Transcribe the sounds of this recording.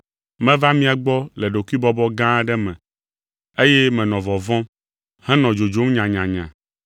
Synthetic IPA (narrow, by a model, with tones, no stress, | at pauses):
mɛ̃˦va˦mĩ˦a˨ɡ͡bɔ˦lɛ˨ɖo˨ku˦i˦bɔ˦bɔ˦ɡã˦ɖɛ˦mɛ̃˨ | e˦jɛ˦mɛ̃˨nɔ̃˨vɔ˨vɔ̃˦m | hɛ̃˦nɔ̃˨d͡ʒo˨d͡ʒo˨˦m˦ɲã˨ɲã˨ɲã̰˨